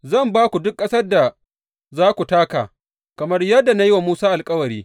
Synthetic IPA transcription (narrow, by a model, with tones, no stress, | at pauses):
zɐ˦˨mbaː˦kʷu˨dʊ˦kːʼɐ˦sɐ˦rda˨ | zaː˦kʷu˨taː˦ka̰ː˨ | kɐ˨mɐ˦rjɐ˦dːa˨na˦ji˦wa˨muː˦saː˦ʔa˨lkʼɐ˦wɐ˨ɾiː˦